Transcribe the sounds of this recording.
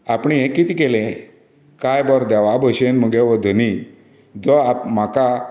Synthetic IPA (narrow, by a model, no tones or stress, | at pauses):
apɳ̃iɦẽkit̪iːkelẽ | kajbɔɾd̪ɛʋabʱəɕenməɡeʋəd̪ʱəni | d͡zɔapmaka